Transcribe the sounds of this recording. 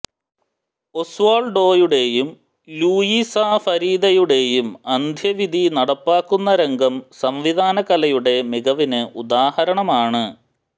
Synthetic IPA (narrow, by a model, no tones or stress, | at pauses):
o̞sʋaːɭɖo̞ːjuɽe̞jum | luːjisafɐɾiːd̪ɐjuɽe̞jumɐnd̪ʱjɐʋid̪ʱinɐɽɐpːaːkːunːɐɾeŋɡʱɐmsɐmʋid̪ʱaːnɐkɐlɐjuɽe̞miɡɐʋinɨud̪aːhɐɾɐɳɐmaːɳɨ